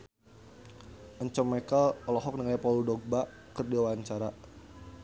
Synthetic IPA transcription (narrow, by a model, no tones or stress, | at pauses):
ʔəɲt͡ʃəmɛkəlɔlɔɦɔk̚niŋajapɔludɔɡ̚ba | kərdewaɲt͡ʃaɾa